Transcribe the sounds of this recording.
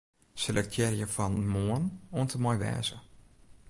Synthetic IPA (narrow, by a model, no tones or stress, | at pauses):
səlɛk̚tʰjɛrjəfɔnmuənuəntʰəmɔjʋɛ̰ːzə